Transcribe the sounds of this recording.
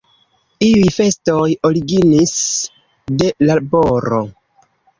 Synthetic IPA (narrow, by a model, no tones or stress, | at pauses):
iujfe̞sto̞jo̞ɾiɡinis | de̞laboɾo̞̰